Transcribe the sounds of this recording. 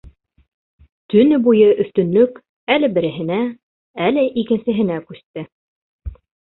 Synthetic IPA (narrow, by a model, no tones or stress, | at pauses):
t̪ɵ̆nɘbujɤʔɵ̆θt̪ɵ̆nlɵk | ælɘbɘ̆ɾɘ̆ɦɘ̆næ | ælɘʔikɘ̆nsɘ̆ɦɘ̆nækʉθt̪ɘ